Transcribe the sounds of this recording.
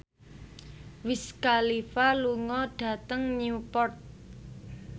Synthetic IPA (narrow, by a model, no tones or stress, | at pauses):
wiskalifaluŋɔɖ̥ä̤t̪əŋniupɔrt̪̚